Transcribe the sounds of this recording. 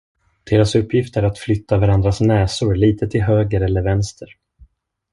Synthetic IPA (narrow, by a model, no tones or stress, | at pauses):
d̪̥eːɾasɵpːjɪft̪æɾat̪flʏt̪ʰːavaɾand̪ɾasnɛːsʊɾliːt̪ʰət̪ʰɪlɦøːɡəɾɛlːəɾvɛnst̪ʰəɾ